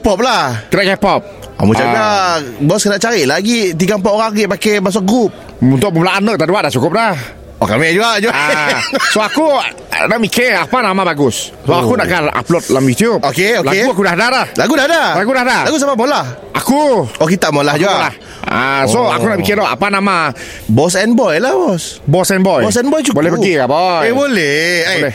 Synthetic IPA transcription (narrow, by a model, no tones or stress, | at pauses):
kɛpɔp̚lahkənaʔkɛpɔp̚ | mũt͡ʃaabɔskənaʔt͡ʃaɾiʔlaɡit̪̬iɡaəmpaoɣaŋɡiʔpakɛmas̬ʊkɡup̚ | unt̪ʊʔ̚məmlaʔanəʔ̚t̪aʔduaʔdat͡ʃukʊp̚lah | ɔkamɛd͡ʒuaʔd͡ʒua | soaku | naʔmikeapanamabaɡʊs | abapakunaʔkaʔa̰plɔt̪̚lamjut̪iʊpokeolaeɡuakudahadadahlaɡudahdalaɡudahdalaɡus̬amamolahʔakuokit̪aʔmolahd͡ʒualah | a̰soakunaʔbikɪlɔa̰panama | bɔs̬ɛnbɔjlahbɔsbɔsɛnbɔjbɔs̬ɛnbɔjt͡ʃukbolɛhpəɡiabɔebolɛlɛ